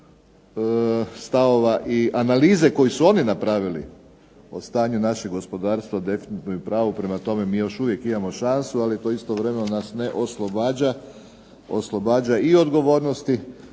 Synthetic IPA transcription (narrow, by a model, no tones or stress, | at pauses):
əst̪aʋo̞ʋaʔiʔanaliːze̞ko̞jisuo̞ninapɾaʋilḭ | o̰st̪aːɲunaʃeɡo̞spo̞d̪aːɾst̪ʋad̪e̞finit̪nujupɾaːʋupɾe̞mat̪o̞me̞miːjo̞ʃuʋje̞kimamo̞ʃansualit̪o̞ist̪oʋɾe̞menonasne̞ʔo̞slˠobaːd͡ʑa | o̰slˠo̞baːd͡ʑaio̞d̪ɡo̞ʋo̞ːɾnost̪i